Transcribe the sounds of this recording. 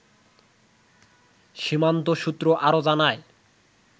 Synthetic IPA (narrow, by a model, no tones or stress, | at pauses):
ʃimant̪oʃut̪ːɾoʔaɾod͡ʑanae